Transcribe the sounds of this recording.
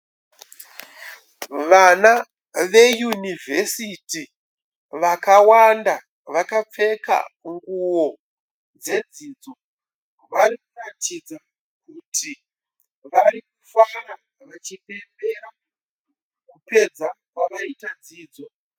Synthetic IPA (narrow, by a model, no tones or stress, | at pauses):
ʋana | ʋe̞junivʱe̞siti | ʋakawanda | ʋakap͡fe̞ka̰ŋɡuwo̞ | d͡ze̞d͡zid͡zo̞ | ʋarikuratid͡za | kutʰi | ʋarikufara | ʋat͡ʃipe̞mbe̞ɾa | kupe̞d͡zakwaʋaitad͡ziːd͡zo̞